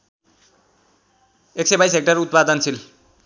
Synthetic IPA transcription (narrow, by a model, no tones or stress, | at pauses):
eksebajsɦek̚ʈarut̪̚pad̪ʌnsʰil